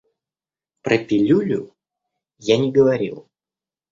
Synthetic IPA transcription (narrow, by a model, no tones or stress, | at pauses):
pɾʔəpʲɪlʲulʲʊ | janʲɪɡəvɐɾʲḭlˠ